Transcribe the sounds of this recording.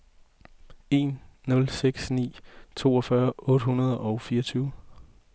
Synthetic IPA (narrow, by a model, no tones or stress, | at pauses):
e̝̰ːnːɔ̽lseɡ̥snḭːt͡sʰo̝̰ːɒ̽fɶːɐɔ̽d̥ɦhunɐð̞ˠɒʊfiːɐt͡sʰyːʊ